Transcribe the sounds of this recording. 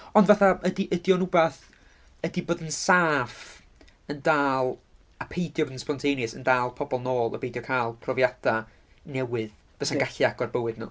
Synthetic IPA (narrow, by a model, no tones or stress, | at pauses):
ɔndvaθaədiʔədiɔnubaθ | ədiboːðənsaːf | əndaːlˠ | apʰejdjɔbðənspɔntʰejnəsə̰ndaːlˠpʰɔbɔlˠnoːlˠə̰bejdjɔkʰaːlˠpʰrɔvjad̥a | nɛwɨð | v̥əsaɡaɬiaɡ̥ɔrbəwɨdnṵ